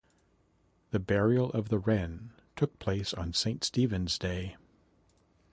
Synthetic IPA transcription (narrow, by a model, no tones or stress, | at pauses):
ðɨbɛɹil̩ˠʌvðəɹɛ̃n | tʰʊk̚pʰl̥eɪsn̩sẽɪ̃ntstivɨ̃nzdeɪ